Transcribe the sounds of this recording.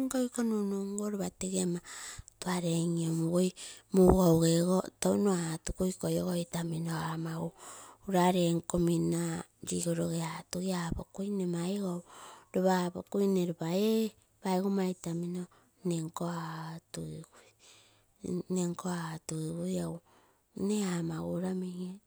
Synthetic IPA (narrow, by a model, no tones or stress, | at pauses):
ŋkojkonunuŋɡoɾuβateɡematuaɾeŋiomuɡojmuɡowɡeɡotownoatukujkojoɡoitaminoamauːɾaɾeŋkomina | ɾiɡoɾoɡeatuɡiapokujnemajɡowɾoβapo̰kujneɾubae | bajɡomajtamino | neŋkoatuiɡuj | neŋkoatuɡiɡujow | neamaɡuɾameŋa